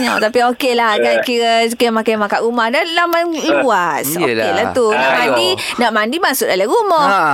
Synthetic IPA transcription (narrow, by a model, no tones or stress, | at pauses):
ɲa̰wt̪apiokeʔlahɡankiɾəkiəmakajmakaʔɾumahdalamaniluasokelaht̪unaʔmandi | naʔmandimaʔsʊt̪̚alaɾumɔh